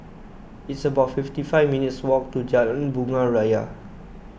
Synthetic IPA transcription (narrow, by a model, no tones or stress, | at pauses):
itsəbaʊtfiftifaɪvminitswɔk̚tud͡ʒalə̃nbuŋaɹaja̰